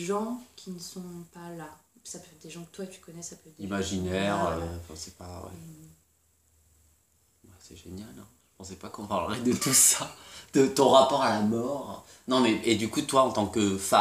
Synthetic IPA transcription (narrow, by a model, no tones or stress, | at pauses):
ʒɑ̃kʲʰinəsɔ̃palasapød̪eʒɑ̃kə̥t̪waet̪y̥kɔnɛsapɛvd̪imaʒinɛʁøɑ̃fɛ̃sɛpawɛ̰ | wɛsɛʒenjalɛ̃ʒə̥pɑ̃sɛpakɔ̃paʁləʁɛd̪ət̪usad̪̥ət̪ɔ̃ʁapɔʁalamɔʁ | nɔ̃mɛʔed̪ykut̪waɑ̃t̪ɑ̃kəfa